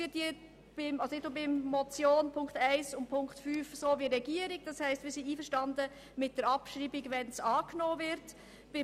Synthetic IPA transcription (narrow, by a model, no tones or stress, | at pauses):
ɪtje | b̥ɪmɑlsoɪtnobɪmːɔt͡sjoːnpʰʊŋkχtæɪsʊnpʰʊŋktfyːfsoːviɾɛɡiəɾɪkd̥ɑshɛɪstvɪːsiːiːfəɾʃtɑndə | mɪt̚d̥əɾɑpʃɾiːbɪɡvɛnsɑːknoːvɪɾt | b̥ɪ